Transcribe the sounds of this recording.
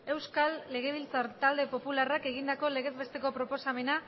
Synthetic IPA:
e̞wskalːe̞ɣ̞e̞β̞ilt͡saɾt̪ald̪e̞po̞pularake̞ɣ̞ind̪ako̞le̞ɣe̞be̞st̪e̞ko̞pɾo̞po̞same̞na

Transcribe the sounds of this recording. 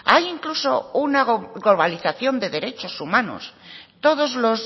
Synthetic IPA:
ajiŋkluso̞unaɡlo̞βaliθaθjo̞nd̪e̞ðe̞ɾe̞t͡ʃo̞sumãno̰st̪o̞ðo̞zlo̞z

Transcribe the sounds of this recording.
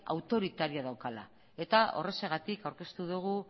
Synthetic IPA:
a̰wt̪o̞ɾit̪aɾiaðawkala̰ | e̞t̪ao̞re̞se̞ɣ̞at̪ikawɾke̞st̪uðuɣ̞u

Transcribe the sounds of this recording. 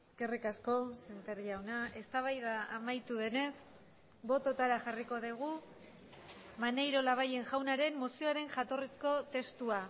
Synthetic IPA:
eske̞rikasko̞se̞nt̪eɾɣiawnae̞st̪aβ̞ajðaamajt̪uðe̞ne̞s | bo̞t̪o̞t̪aɾaʝariko̞ðiɣ̞u | mane̞jɾo̞laβ̞aje̞ŋʝawnaɾe̞mːo̞sioaɾe̞ŋʝat̪o̞risko̞t̪e̞st̪ua

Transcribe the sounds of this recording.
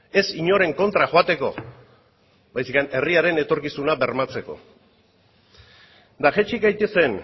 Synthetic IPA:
e̞siɲo̞ɾe̞ŋko̞nt̪ɾaxoat̪e̞ko̞ | βajsikane̞riaɾe̞ne̞t̪o̞ɾkisunaβe̞ɾmat͡se̞ko̞̰ | d̪axet͡ʃikajt̪e̞se̞n

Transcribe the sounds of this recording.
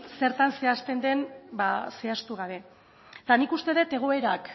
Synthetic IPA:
se̞ɾt̪anse̞ast̪e̞nd̪e̞nbase̞ast̪uɣ̞aβe̞ | t̪anikust̪e̞ð̞e̞t̪e̞ɣ̞o̞e̞ɾak

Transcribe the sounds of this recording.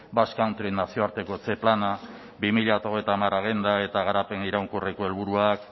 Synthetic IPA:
baskawnt̪ɾinasio̞aɾt̪e̞ko̞t͡se̞plana | bimiʎat̪aoɣejt̪amaraɣ̞end̪ae̞t̪aɣ̞aɾape̞niɾawŋkureko̞e̞lβuɾuak̚

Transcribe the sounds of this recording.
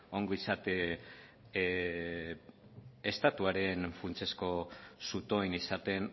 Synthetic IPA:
o̞ŋɡoisat̪e | est̪at̪uaɾe̞nfunt͡se̞sko̞sut̪o̞inisat̪e̞n

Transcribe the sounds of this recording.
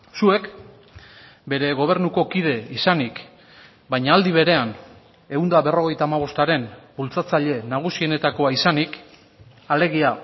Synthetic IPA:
sue̞k | be̞ɾe̞ɣo̞β̞e̞ɾnuko̞kið̞e̞isanik | bajɲaːld̪iβ̞e̞ɾe̞an | e̞und̪aβe̞ro̞ɣ̞e̞jt̪aːmaβ̞o̞st̪aɾe̞nbult͡sat͡saʎe̞naɣ̞usie̞ne̞t̪ako̞aisanik | ale̞ɣ̞ia

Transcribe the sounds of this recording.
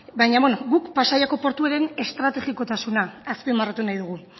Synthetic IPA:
bajɲaβonoɡukpasajako̞po̞ɾt̪ueɾe̞ne̞st̪ɾat̪e̞ɣiko̞t̪asunaːspimarat̪unajðuɣu

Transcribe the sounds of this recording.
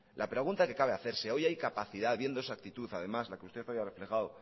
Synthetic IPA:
lʔapɾe̞ɣ̞unt̪ake̞kaβe̞aθe̞ɾse̞o̞jajkapaθiðaðβje̞nd̪oesak̚t̪it̪uθaðe̞mazlakeust̪e̞θajare̞fle̞xaðo

